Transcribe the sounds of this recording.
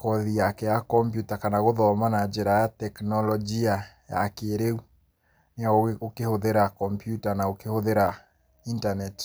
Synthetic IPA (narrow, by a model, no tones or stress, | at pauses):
kɔðiakɛjakɔmpjutakanaɣoðɔmanad͡ʒeɾajatɛknɔlɔd͡ʒia | ja̰keɾeu | neaookehoðeɾakɔmpjutanaokehoðeɾa | intanɛt